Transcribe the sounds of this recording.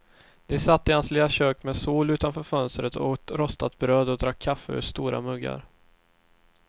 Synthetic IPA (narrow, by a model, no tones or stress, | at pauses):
d̪̥ɪsat̪ːɪhanslɪlaɕøːkmɛːsuːlʉ̟ːt̪anfœːɾfœnst̪ɾət̪ʰɔ̰t̪ɾɔst̪at̪̚bɾøːd̪ɔd̪ɾakʰːafːəɵ̰st̪uːɾa̰mɵɡːa̰ɾ